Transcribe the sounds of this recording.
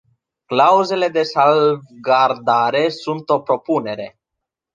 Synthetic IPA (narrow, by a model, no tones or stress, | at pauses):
klauze̞le̞d̪e̞salvɡard̪aɾe̞sunt̪o̞pɾo̞pune̞ɾe̞